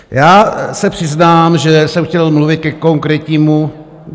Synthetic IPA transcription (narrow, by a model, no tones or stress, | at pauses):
jaːsɛpr̥ɪznaːmʒɛsɛmxcɛlmluvɪt̪̚kɛkoŋkɾɛcɲiːmu